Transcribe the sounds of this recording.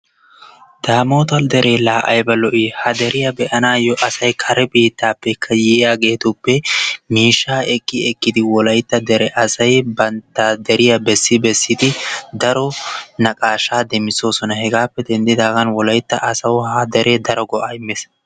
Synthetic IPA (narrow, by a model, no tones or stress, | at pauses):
d̪̥aːmo̞ːt̪ɐld̪ɛɾʔeːlaːʔɐ̰jbɐlɔʔɪhɐd̪ɛɾɪjɐbɛʔɐnaːjɔʔɐsɐjkʰɐɾɛbiːt̪ːaːpːɛkʰːɐjɛjaːɡe̞ːt̪ʊpːɛmiːʃːaːɛkʼːɪɛkʼːɪd̪ɪwɔlɐjt̪ːɐd̪ɛɾɛʔɐsɐjbɐnt̪ːad̪ɛɾɪjɐbɛsːɪbɛsːɪd̪ɪd̪ɐɾɔnɐkʼaːʃaːd̪ɛmːɪso̞ːsɔnɐhɛɡaːpːɛd̪ɛnd̪ɪd̪aːɡɐnwɔlɐjt̪ːɐʔɐsɐwhɐd̪ɛɾeːd̪ɐɾɔɡɔʔaɪmːeːs